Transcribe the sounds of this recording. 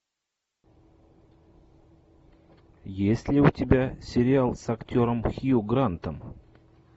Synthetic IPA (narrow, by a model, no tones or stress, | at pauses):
jesʲlʲɪutʲɪbʲasʲɪɾʲɪalˠsaktʲoɾəmxʲijuɡrant̪əm